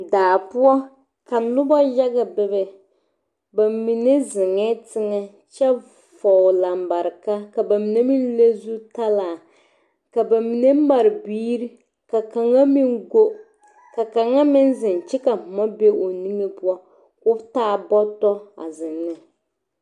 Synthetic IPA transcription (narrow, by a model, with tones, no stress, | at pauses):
daː˨pʊ˦ɔ˦ | ka˨nʊ˦bɔ˦ja˦ɡa˨bɛ˦bɛ˨ | ba˨mi˨ne˦zɪ˨ŋɛ˦tɪ˦ŋɛ˦ | t͡ʃɛ˦ | fɔ˨la˨mba˨ɾɪ˨ka˦ka˨ba˨mi˨ne˦mi˦n˦le˦zu˦ta˦laː˨ | ka˨ba˨mi˨ne˦ma˨ɾɪ˨biː˦ɾi˦ | ka˨ka˨ŋa˦mi˦ŋɡo˦ | ka˨ka˨ŋa˦mɪ˦nzɪ˨n˨t͡ʃɪ˦ka˨mɔ˦be˦o˨ni˦ŋe˦pu˦ɔ˦ | kʊ˦taː˦˨bɔ˦tɔ˦a̰˨zɪ˨nːɪ˦